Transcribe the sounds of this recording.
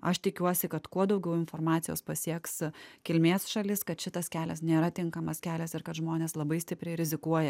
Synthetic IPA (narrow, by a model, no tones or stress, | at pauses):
ɐʃt̪ʲɪkʲuɔsʲɪkɐt̪kuɔd̪ɒʊɡʲɛʊɪnfoːɾmɑːt̪ʲɪjo̰ːspɐsʲiɛkskʲɪlʲmʲeːsʃɐlʲɪskɐt̪ʃʲɪt̪ɐskʲæːlʲɛsnʲeːɾɐt̪ʲɪŋkɐmɐskʲæːlʲɛsɪɾkɐt̪ʒmoːnʲeːslˠɐbɐɪsʲt̪ʲɪpʲɾʲɛɪɾʲɪzʲɪkuɔjɛ